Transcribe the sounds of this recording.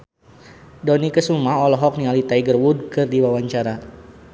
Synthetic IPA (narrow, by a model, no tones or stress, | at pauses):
dɔnikəsumaɦɔlɔɦɔk̚nialit̪aiɡərwud̚kɨrdiwawaɲt͡ʃaɾa